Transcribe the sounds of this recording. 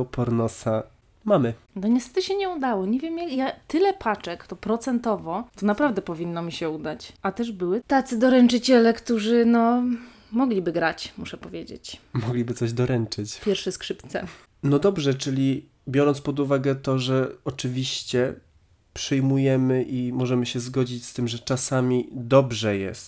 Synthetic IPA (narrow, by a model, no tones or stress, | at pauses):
ɔpɔɾnɔsa | mamɘ | nɔɲɛst̪ɛ̥t̪ɘɕɛɲɛud̪awɔɲevʲjɛmjakjat̪ɘlɛpʰat͡ʂɛkt̪ɔpɾɔt̪sɛnt̪ɔvɔt̪ɔnapɾavd̪ɛpɔvʲinːɔmʲiɕɛud̪at͡ɕʔat̪ɛʐbɘwɘt̪at̪sɘd̪ɔɾɛnt͡ʂɘt͡ɕɛlɛkt̪uʐɘnɔ | mɔɡlʲibɘɡɾat͡ɕmuʂɛpɔvʲjed͡ʑḛt͡ɕmɔɡlʲibɘt̪sɔʑd̪ɔɾɛnt͡ʂɘt͡ɕpʲjɛɾfʂɛskʂɘpt̪sɛ̰ | nɔd̪ɔbʐɛt͡ʂɘlʲi | bʲjɔɾɔnt̪spɔd̪uvaɡɛt̪ɔʐɛɔt͡ʂɘvʲiɕt͡ɕɛ | pʂɘjmujɛmɘʔimɔʐɛmɘɕɛzɡɔd͡ʑit͡ɕst̪ɘmʐɛt͡ʂasamʲid̪ɔbʐɛjɛ̰st̪